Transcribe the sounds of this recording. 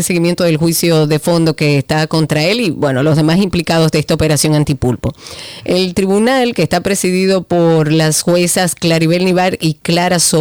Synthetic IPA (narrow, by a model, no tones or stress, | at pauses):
eseɣimje̞nt̪oðelxwisjo̞ðe̞fo̞nd̪o̞ke̞ːst̪ako̞nt̪ɾae̞liβwe̞no̞lo̞zðe̞masimplikað̞o̞zðeest̪aope̞ɾasjo̞ŋant̪ipulpoelt̪ɾiβunalkeːst̪apɾe̞siðiðo̞po̞ɾlasxwe̞sasklaɾiβelniβaɾiklaɾaso